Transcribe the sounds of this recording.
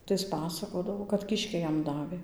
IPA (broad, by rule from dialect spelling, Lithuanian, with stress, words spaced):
tɐɪ ˈɪs ˈpɑːsɐkoːdɐʋoː kɐt kʲɪʃʲˈkʲɛɪ ˈjɛm ˈdɑːʋʲeː